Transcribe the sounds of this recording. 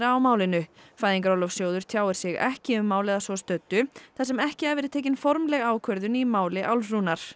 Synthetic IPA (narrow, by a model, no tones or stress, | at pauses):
ɾaːwmaːwlɪnʏfaːjðiŋk̬aɾɔlɔfsjoːwðʏɾ̥t̪ʰjaːwɪɾ̥sjɛɣɛ̰hcɪʏmːaːwlɪðasvɔst̪œt̪ːʏθasɛmɛhcɪavɛːɾɪt̪ʰeːjc̬ɪnfɔɾmlɛɣaːwkʰœɾðʏnimaːwlɪʔawlːunaɾ̥